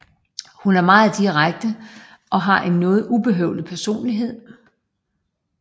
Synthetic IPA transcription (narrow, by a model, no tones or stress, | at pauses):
hunæɐmɑ̈ːð̩ˠd̥iʁaɡ̥̚d̥ə | ʔɒ̽ɦɑ̈ʔe̝nːɔ̽ːð̞̩ˠʔub̥e̝ɦœ̰ʊlipʰæɐso̝̰ːnliɦe̝ð̞̰ˠ